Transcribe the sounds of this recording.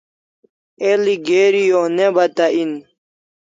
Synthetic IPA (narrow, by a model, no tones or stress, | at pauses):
eliɡeːɾijonebɐt̪aʔin